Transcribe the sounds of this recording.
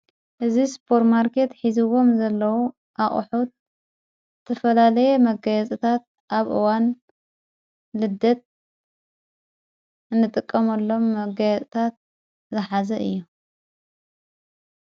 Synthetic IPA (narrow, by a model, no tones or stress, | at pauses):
ʔɨzispʰo̞ɾt̪maɾkʰe̞t̪ħizɨwo̞mzɐlːɐwu | ʔaχʼħut̪̚ | ɨt̪ʰɐfɐlalɐjɛmɐɡɐjɐt͡sʼit̪ʰat̪̚ | ʔaβʔɨwan | lɨd̪ːɐt̪̚ | ɨnːɨt̪ʼɨkʼːɐmɐlːo̞mːɐɡɐjɐt͡sʼt̪ʰat̪̚ | zɨħazɐʔɨ̰jːu